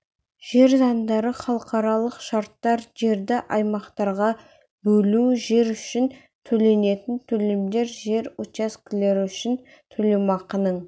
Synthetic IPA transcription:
ʒ̥e̞ɾzɑnd̪ɑɾəχɑlˠəqɑɾɑlˠəqʃɑɾt̪ːɑɾʒe̞ɾd̪ɪʔɑjmɑqt̪ɑɾʁɑ | bɵluʒe̞ɾʏʃɪn | t̪ʰɵle̞ne̞t̪ɪnt̪ʰɵlɪmd̪e̞ɾʒe̞ɾwot̪askʲɪle̞ɾɪʏʃɪn | t̪ʰɵle̞mɑqənəɴ

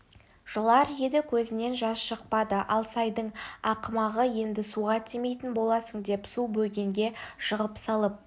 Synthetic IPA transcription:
ʒ̥əlˠɑɾjed̪ɪkʲʰɵzɪne̞nʒɑsʃəq̚pɑd̪əʔɑ̰lˠsɑjd̪əɴɑqəmɑʁəje̞nd̪ɪsuʁɑt̪ʰeme̞jt̪ɪnbo̞lˠɑsəɴd̪e̞psubɵlɡʲe̞ŋɡʲe̞ʃəʁəpsɑlˠəp̚

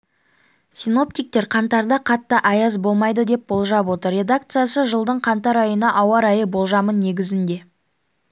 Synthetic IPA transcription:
sino̞p̚t̪ijk̚t̪e̞ɾqʰɑnt̪ɑɾd̪ɑqʰɑt̪ːəʔɑjɑzbo̞lˠmɑjd̪əd̪e̞p̚bo̞lˠʒɑbwo̞t̪əɾːe̞d̪ak̚t̪sɨjasəʒəlˠd̪əɴqʰɑnt̪ɑɾɑjənɑʔɑwɑɾɑjəbo̞lˠʒɑmənːe̞ɡʲɪzɪnd̪e̞

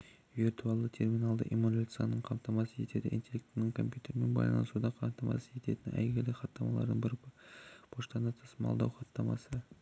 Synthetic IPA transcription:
virt̪uɑlˠət̪ʰe̞rmʲinɑlˠd̪ə̰ʔimolʲat̪sjanəɴqʰɑmt̪ɑmɑsəʒe̞t̪e̞d̪ɪʔḭnt̪ʲe̞lʲekt̪nɪŋkʰo̞mpʲjut̪e̞ɾme̞nbɑ̰jlˠɑ̰nəsud̪ɑqʰɑmt̪ɑmɑ̰səʒe̞t̪e̞t̪ɪnæ̰jɡʲelɪχɑt̪ːɑmɑlˠɑ̰ɾd̪əɴbɪɾ | pʰoʃt̪ɑnət̪ʰə̥səmɑ̰lˠd̪ɑ̰wχɑt̪ːɑmɑ̰sə

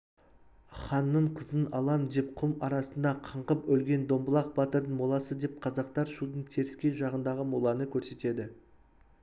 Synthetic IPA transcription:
χɑnːəɴqʰəzənɑlˠɑmd̪e̞p̚qʰʊmɑɾɑsənd̪ɑqʰəɴqəpɵlɡʲe̞nd̪o̞mbəlˠɑq̚bɑt̪əɾd̪ənmolˠɑsəd̪e̞p̚qʰɑzɑq̚t̪ɑɾʃud̪əɴt̪ʰe̞ɾɪskʲe̞nʒɑʁənd̪ɑʁəmolˠɑnəkʲʰɵɾse̞t̪e̞d̪ɪ

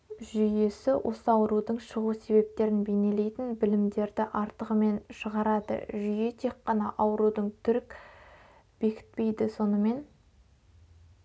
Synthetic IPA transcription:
ʒʏje̞sɪwʔo̞̰səɑwəɾud̪əɴʃəʁuse̞βe̞p̚t̪e̞ɾɪnbe̞ne̞le̞jt̪ɪnbɪlɪmd̪e̞ɾd̪ɪʔɑɾt̪əʁəme̞nʃəʁɑɾɑd̪ə̰ʒʏje̞t̪ʰe̞k̚qːɑnɑʔɑwəɾud̪əɴt̪ʰʏɾɪk | b̥e̞kʲɪ̥t̪̚pe̞jd̪ɪso̞nəme̞n

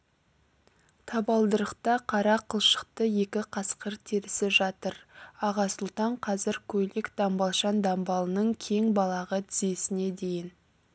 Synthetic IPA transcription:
t̪ʰɑbɑlˠd̪əɾəqt̪ɑqʰɑɾɑqʰəlˠʃə̥qt̪əje̞kʲɪqʰɑsqəɾt̪ʰiɾɪsɪʒɑt̪əɾɑʁɑsʊlˠt̪ɑɴqʰɑzɪɾkʲʰɵlɪkd̪̥ɑmbɑlˠʃɑnd̪ɑmbɑlˠənəɴkʲʰe̞ŋbɑlˠɑʁət̪ʰɪze̞sɪne̞d̪e̞jɪn

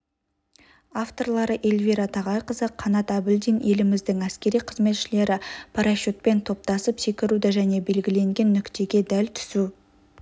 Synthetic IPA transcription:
aft̪o̞rlˠɑɾəʔelviɾɑt̪ʰɑʁɑjqəzəqʰɑnɑt̪æbɪld̪ijne̞lɪmɪzd̪ɪŋæskʲe̞ɾijqʰəzme̞t̪ʃɪle̞ɾɪpʰaɾaʃot̪̚pe̞nt̪ʰo̞p̚t̪ɑsəpse̞kʲɪɾud̪ɪʒæne̞be̞lɡʲɪle̞ŋɡʲe̞nːʏkt̪e̞ɡʲe̞d̪ælt̪ʰʏ̥su

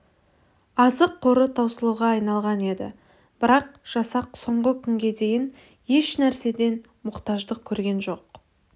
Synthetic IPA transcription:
ɑzəqʰːo̞ɾət̪ʰɑwsəlˠəʁɑɑjnɑlˠʁɑne̞d̪ɪ̰ | b̥ɪɾɑq̚ʒ̥ɑsɑq̚so̞ɴʁəkʲʰʏŋɡʲe̞d̪e̞jɪn | je̞ʃnæɾse̞d̪e̞n | mʊqt̪ɑʒd̪əkʲʰɵɾɡʲe̞nʒo̞q̚

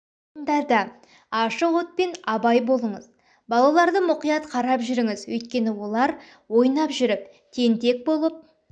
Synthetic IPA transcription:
ənd̪ɑɾd̪ɑ | ɑʃəqwo̞t̪̚pe̞nɑbɑjbo̞lˠəɴəz | bɑlˠɑlˠɑɾd̪əmʊqijɑt̪qʰɑɾɑpʒʏɾɪŋɪzwɵjt̪̚kʲe̞nɪwo̞lˠɑɾ | wo̞jnɑpʒʏɾɪp̚ | t̪ʰe̞nt̪e̞k̚bo̞lˠəp̚

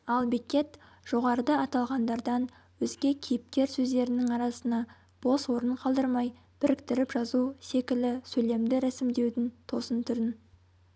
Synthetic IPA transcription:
ɑlˠbikʲe̞t̪ | ʒ̥o̞ʁɑɾəd̪ɑɑt̪ɑlˠʁɑnd̪ɑɾd̪ɑn | wɵzɡʲe̞kʲʰijɪp̚kʲe̞ɾsɵzd̪e̞ɾɪnɪŋɑɾɑsənɑ | b̥o̞swo̞ɾəɴqʰɑlˠd̪əɾmɑj | b̥ɪɾɪkt̪ɪɾɪpʒɑzuse̞kʲɪlɪsɵle̞md̪ɪɾæsɪmd̪e̞wd̪ɪnt̪ʰo̞sənt̪ʰʏɾɪn

